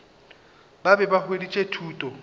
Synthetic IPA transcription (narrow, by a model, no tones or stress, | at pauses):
babɛbahwedit͡ʃʼetʰuːtʼɔ